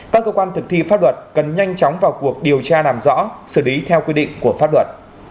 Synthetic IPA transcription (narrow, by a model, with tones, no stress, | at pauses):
kaː˦˥kːəː˧kwaː˧nt̪ʰɨ˨˩k̚t̪ḭ˧˨faː˦˥lwə˨˩t̚kə˨˩nɲa˧jŋ̟t͡ɕɔ˨˦wŋ͡mvaː˨˩wku˨˩ək̚ɗi˨˩əwt͡ɕaː˧laː˨˩mzɔ̰˧˥sɨ˧˩li˨˦t̪ʰɛ˧wkwi˧ɗḭ˧˨ŋ̟ku˧˩əfaː˦˥p̚lwə˨˩t̚